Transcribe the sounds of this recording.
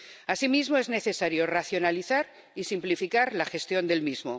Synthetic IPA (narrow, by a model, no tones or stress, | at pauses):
asimizmoe̞zne̞θe̞saɾjo̞raθjo̞naliθaɾ | isimplifikaɾlaxe̞st̪jo̞nd̪e̞lmizmo